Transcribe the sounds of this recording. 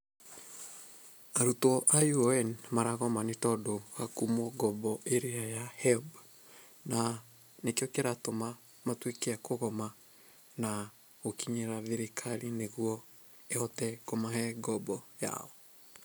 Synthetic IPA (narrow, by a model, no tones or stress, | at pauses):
aɾutɔʔajuɛnmaɾaɣɔmanetɔdoɣakumɔɡɔbɔʔeɾeajahɛb | na | nekeɔkeɾatoma | matwekeakoɣɔma | na | ɣokiɲeɾaðeɾekʰaɾineɣuɔ | eɔtɛkomaɦɛɡɔbɔja̰ɔ